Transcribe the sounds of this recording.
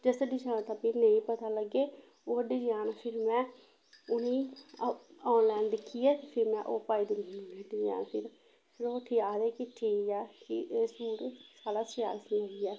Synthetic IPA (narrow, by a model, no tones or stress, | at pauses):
d͡ʒəsəɖiːd͡ʒaːnt̪aːpiːnə̃ĩːpət̪aːləɡeː | oːəɖiːd͡ʒaːnpʰɪɾmɛ̃ː | ʊniː | aːnlɛ̃ːɳɖkɪɛːt̪eːpʰɪɾmɛ̃ːʔoːpaːiːd̪ɪnnũːɖiːd͡ʒã̰ːnpʰɪɾ | pʰɪɾoːʈʰiːaːd̪eːkɪʈʰiːɛːkɪsuːɽsaːlaːsɪja̰ːsĩːoːiɛː